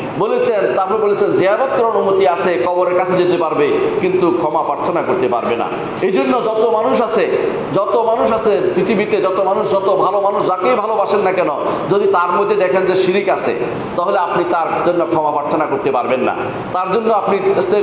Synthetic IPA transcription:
bolet͡ɕʰent̪aɦoɾebolet͡ɕʰend͡ʑeabɔt̪ːoɾonumot̪iat͡ɕʰekɔboɾeɾkat͡ɕʰed͡ʑet̪epaɾbekint̪ukʰɔmapɾaɾt̪ʰonakoɾt̪epa̰ɾbena̰ | ed͡ʑonːod͡ʑɔt̪omanuʃat͡ɕʰe | d͡ʑɔt̪omanuʃat͡ɕʰepɾit̪ʰibit̪ed͡ʑɔt̪omanuʃd͡ʑɔt̪obʱalomanuʃd͡ʑakejbʱalobaʃenːakɛnod͡ʑod̪it̪aɾmod̪ʱːed̪ɛkʰend͡ʑeʃiɾikat͡ɕʰḛ | t̪aɦoleapnit̪aɾd͡ʑonːokʰɔmapɾaɾt̪ʰonakoɾt̪epaɾbenːa̰ | t̪aɾd͡ʑonːoapniest̪e

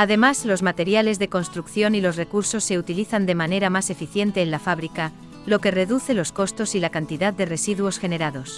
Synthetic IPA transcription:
aðe̞mazlo̞zmat̪e̞ɾjale̞zðe̞ko̞nst̪ɾukθjo̞nilo̞sre̞kuɾso̞sːe̞ut̪iliθand̪e̞mane̞ɾamase̞fiθje̞nt̪e̞ːnlafaβɾika | lo̞ke̞re̞ðuθe̞lo̞sko̞st̪o̞silakant̪iðaðd̪e̞re̞siðuo̞sxe̞ne̞ɾaðo̞s

